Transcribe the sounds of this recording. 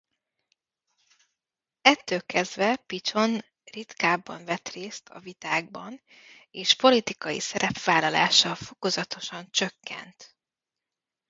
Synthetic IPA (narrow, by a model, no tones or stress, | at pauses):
ɛt̪ːøːlkɛzd̪vɛpit͡ʃo̞n | rit̪kaːbːɒɱvɛt̪reːst̪ʰɒ̰vit̪aːɡ̚bɒn | eːʃpo̞lit̪ikɒjḭsɛɾɛpvaːlɒla̰ːʃɒfo̞ko̞zɒt̪o̞ʃɒnt͡ʃøkːɛ̰nt̪